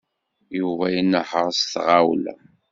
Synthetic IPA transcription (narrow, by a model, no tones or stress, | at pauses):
juvæjənːəħəɾˤsθʁawl̰